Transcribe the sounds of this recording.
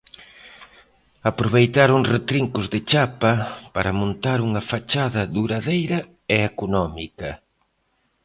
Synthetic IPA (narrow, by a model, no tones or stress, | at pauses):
apɾoβejt̪aɾoŋret̪ɾiŋkʊzðɪt͡ʃapɐpaɾɐmõnt̪aɾuŋɐfat͡ʃaðɐðuɾaðejɾɐ | eekunɔmikɐ